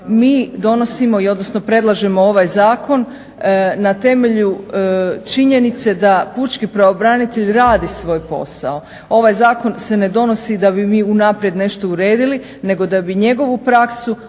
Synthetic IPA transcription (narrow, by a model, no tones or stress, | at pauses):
miːd̪o̞no̞simo̞io̞d̪no̞snopɾe̞d̪lˠaʒemo̞o̞ʋajzaːko̞n | nat̪e̞me̞ʎu | t͡ʃiɲe̞nit̪se̞d̪aput͡ʃkipɾaobɾanit̪e̞ʎɾaːd̪isʋo̞ːjpo̞̰sa̰o̞ | o̞ʋajzaːko̞nse̞ne̞d̪o̞no̞sid̪abimiːunapɾje̞d̪ne̞ʃt̪o̞uɾe̞ːd̪ili | ne̞ɡo̞d̪abiɲe̞ɡo̞ʋupɾaksu